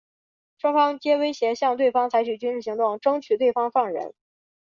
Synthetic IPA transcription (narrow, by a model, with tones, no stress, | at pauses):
ʂwɑ˥ŋfɑ˥ŋt͡ɕjɛ˥we˥ɪɕjɛ˧˥ɕjɑ˥˧ŋt̪we˥˩ɪfɑ˥ŋt͡sʰa˧˥ɪt͡ɕʰy˨˩t͡ɕy˥nʂɻ̩̬˥˩i˧˥ŋt̪ʊ˥˩ŋʈ͡ʂɤ˥ŋt͡ɕʰy˨˩t̪we˥˩ɪfɑ˥ŋʂɑ˥˩ŋɻə̰˧˥n